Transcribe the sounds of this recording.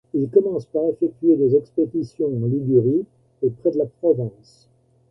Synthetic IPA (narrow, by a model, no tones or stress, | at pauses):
ilkɔmɑ̃spaʁefɛk̚t̪ɥed̪ezɛksped̪isjɔ̃ɑ̃libyʁi | epχɛd̪əlapχɔvɛ̃ːs